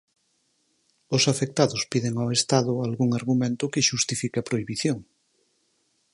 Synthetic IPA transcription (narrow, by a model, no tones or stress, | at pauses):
osafek̚t̪aðospiðeŋawest̪aðʊalɣuŋaɾɣumẽnt̪ʊkeʃust̪ifikapɾoiβiθjoŋ